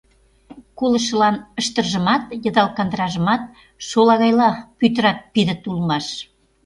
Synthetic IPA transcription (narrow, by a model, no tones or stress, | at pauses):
kolə̆ʃə̆lɑnə̆ʃt̪ə̆rʒə̆mɑt̪jɤ̆d̪ɑlˠkɑnd̪əɾɑʒə̆mɑt̪̚ | ʃolɑɣɑjlɑpyt̪̬əɾɑt̪̚piðə̆t̪ulmɑʃ